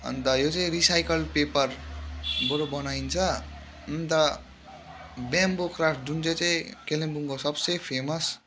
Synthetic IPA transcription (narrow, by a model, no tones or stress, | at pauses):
ʌ̰nt̪ʌjot͡saĩɾisajkʌlpepʌr | bʌɾobʌnaint͡sʰʌ | ʌnt̪ʌ | bjambokrafʈ̚d͡zunt͡sʌt͡saj̃kelembuŋkosʌbsʌjpʰemʌs